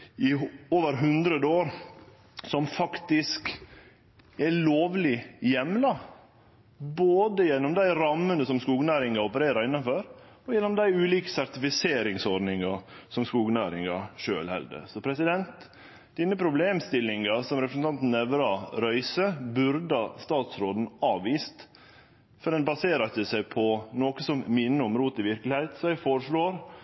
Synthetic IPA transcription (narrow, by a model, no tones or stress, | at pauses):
ɪoːʋəɾɦʉnd̪ɾəd̪əoːɾ | sɔmfɑkt̪ɪsk | ɛloːʋlɪjɛmlɑ | boːd̪əjɛnːɔmd̪æɪɾɑmːənəsɔmskuːɡnæːɾɪŋɑɔpəɾeːɾɑɾɪnːɑnfɔɾ | ɔjɛnːɔmd̪æɪʉːliːkə̥sæɾt̪ɪfɪseːɾɪŋsɔɾɖnɪŋɑsɔmskuːɡnæːɾɪŋɑʂøːlhɛ̰ld̪ə̰sɔpʰɾɛsɪd̪ɛnt̪ | d̪̥ɪnːəpʰɾʊbleːmst̪ɪlːɪŋɑsɔmɾɛpɾəsn̩t̪ɑnt̪n̩ɛʋɾɑɾœʏsəbʉɾd̪ɑst̪ɑːt̪sɾoːd̪n̩ɑːʋʋiːst̪ | fɔɖɛnbɑseːɾɑt̪əsæɪpʰɔnoːkəsɔmmɪnːəʊmɾuːt̪ɪʋɪɾklɪhæɪt̪sɔɛɡfoːɾəʂɭoːɾ